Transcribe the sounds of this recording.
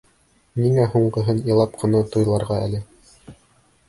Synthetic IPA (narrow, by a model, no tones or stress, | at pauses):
niŋæɦuɴɢɤ̆ɦɤnjɤ̆lˠɑp̚qʰɤ̆nɑt̪ujlˠɑɾʁɑælɘ